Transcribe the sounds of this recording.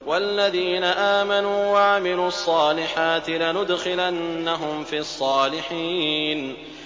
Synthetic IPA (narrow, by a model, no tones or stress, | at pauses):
walːaðiːnaʔaːmanuːwaʕamɪluːɑsˤːɑːlɪħaːt̪ɪlanʊd̪xɪlanːaɦʊmfiːʔɑsˤːɑːlɪħiːn